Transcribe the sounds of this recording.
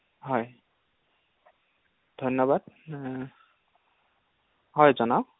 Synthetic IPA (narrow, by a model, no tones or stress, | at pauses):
ɦɔj | dʱɔjnɔbad̚ | ɦɔjzɔna